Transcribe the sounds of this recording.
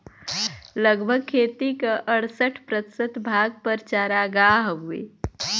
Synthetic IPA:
ləɡbʱəɡ̚kʰːeːt̪ikaʔəɽsəʈʰpɾət̪səd̪bʱaːɡ̚pəɾt͡ʃaːɾaːɡaːɦɦuḛː

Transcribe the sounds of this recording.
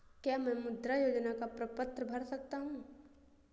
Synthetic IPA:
kjamɛ̃mʊd̪ɾajoːd͡ʒnakapɾɐpət̪ɾəbʱɐɾsɐk̚t̪aɦũː

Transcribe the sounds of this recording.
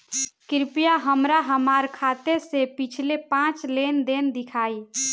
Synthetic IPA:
kɪɾpijaɦəmɾaɦəmaːɾkʰaːt̪esepɪt͡ʃʰlepãːt͡ʃlend̪end̪ɪkʰaːi

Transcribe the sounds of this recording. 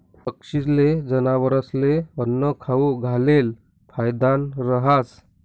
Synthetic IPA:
pəkʃid͡zled͡zənaʋəɾəsleənːəkʰauɡʱalel | pʰajd̪anɾəɦas

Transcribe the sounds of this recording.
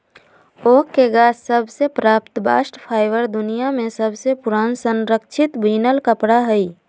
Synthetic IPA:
oːkːeɡaːsːəbʱsepɾaːpt̪ba̰ːsʈpʰaːɪʋəɾd̪ʊnijamẽsəbʱsepʊɾaːnsə̃nɾəkʃʰɪt̪biːnəlkəpɽaɦɛi

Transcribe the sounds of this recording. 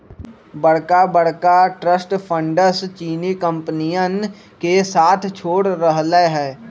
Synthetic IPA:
bəɽkabəɽ̤kaʈɾəsʈpʰə̃ɳɖəɾst͡ʃiːnikə̃mpnijən | kesaːt̪ʰt͡ʃʰoːɽɾəɦleɦɛː

